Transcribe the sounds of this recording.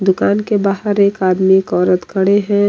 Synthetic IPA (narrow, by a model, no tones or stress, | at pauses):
d̪ʊkaːnkebaːɦəɾeːkaːd̪mikɔːɾət̪kʰəɽeɦɛ̃